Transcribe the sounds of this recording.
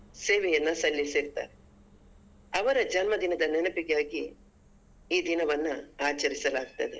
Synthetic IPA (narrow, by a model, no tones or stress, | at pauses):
seːʋɛjɐnːɐsɐlːisiɾt̪a̰ːɾe | ɐʋɐɾɐd͡ʒɐnmɐd̪inɐd̪ɐnɛnɐpiɡejaːɡi | iːd̪inɐʋɐnːuaːt͡ʃɐɾisɐlaːɡut̪ːɐd̪e̞